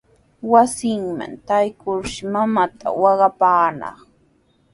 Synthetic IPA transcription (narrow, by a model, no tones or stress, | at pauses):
wasɪŋma̰nt̪ajkʊɾʃɪmamat̪a̰wɑɢɑpaːnɑ̰χ